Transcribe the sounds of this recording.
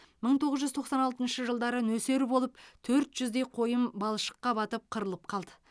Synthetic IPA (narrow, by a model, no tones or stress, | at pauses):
məɴt̪ʰo̞ʁəzʒʏzt̪ʰo̞qsɑnɑlt̪ənʃəʒəlˠd̪ɑɾənɵse̞ɾɪbolˠəpt̪ʰɵɾt̪ʒ̥ʏzd̪e̞jqʰo̞jəmbɑlˠʃə̥qːɑbɑt̪əp̚qʰəɾəlˠəp̚qʰɑlˠd̪ə